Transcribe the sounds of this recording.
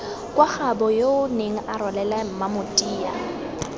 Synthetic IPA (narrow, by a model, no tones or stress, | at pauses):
kʼwaχabɔjoʊneŋ̩ʔarɔlɛlam̩mamʊtʼiːa̰